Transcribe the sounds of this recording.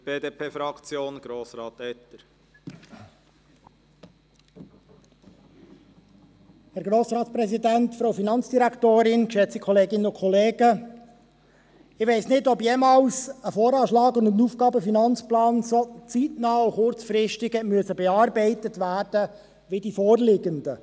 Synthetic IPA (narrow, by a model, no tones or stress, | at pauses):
b̥eːdeːpʰeːfɾɑkt͡sjoːnɡ̥ɾoːsɾɑ̰ːt̪ɛt̪əɾ | hæɾɡɾoːsɾɑːtt͡spɾɛsidæntfɾowfinɑnt͡sd̥iɾæktoːɾɪnkʃɛt͡sikʰɔleːɡɪnənʊkʰɔleːɡə | ɪʋɛɪsnɪdɔbjeːmɑːlsəfɔːɾɑːʃlɑːɡʊndənuːfɡɑːbəfinɑnt͡splɑːnsot͡sitnɑːuχʊɾt͡sfɾɪʃtɪɡəmyəsəbɛɑːɾbɛɪtətvæːɾd̥ə | ʋidifɔːrlɪɡəndə